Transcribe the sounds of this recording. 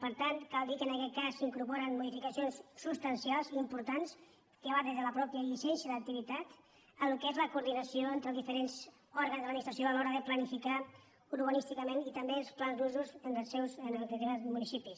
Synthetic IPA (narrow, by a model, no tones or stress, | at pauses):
pəɾt̪ankalˠd̪ikənəkɛt̪̚kasːiŋkuɾpɔɾənmuðifikəsionsːust̪ənsialˠziːmpuɾt̪ans | kəβad̪ezðələpɾɔpjəʎiʃɛnʃəðək̚t̪iβit̪at̪ | əlukɛzləkuɾðinəsioent̪ɾəlˠzðifəɾenz | ɔɾɣənzðəlminist̪ɾəsioəlɔɾəðəplənifika | uɾβənist̪ikəmenit̪əmbelˠsplanzluzuzənəlˠsɛwzənəliteazmunisipis